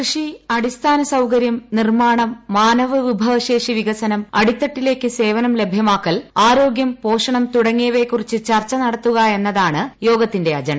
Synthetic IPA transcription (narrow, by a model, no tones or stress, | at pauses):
krɨʂiɐɽist̪ʰaːnɐsɐwkɐɾjɐmnirmaːɳɐmːaːnɐʋɨʋibʱɐʋɐʂeːʂiʋiɣɐsɐnɐmɐɽit̪ːɐʈːile̞ːkːɨse̞ːʋɐnɐmle̞bʱjɐmaːkːɐlaːɾo̞ːɡjɐmpo̞ːʂɐɳɐmt̪uɽɐŋːijɐʋe̞kːurit͡ɕːɨt͡ɕɐrt͡ɕːɐnɐɽɐt̪ːuɣɐe̞nːɐðaːɳɨjo̞ːɡɐt̪ːinde̞ɐd͡ʑɐɳɐ